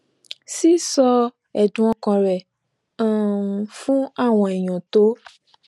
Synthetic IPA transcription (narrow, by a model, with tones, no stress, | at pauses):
si˦sɔ˧ | ɛ˨dũ˨ɔ̃˧kɔ̃˧ɾɛ˨ | ã˨˧fũ˦a˦˨w̃ɔ̃˧ɛ˨j̃ɔ̃˨to˨˦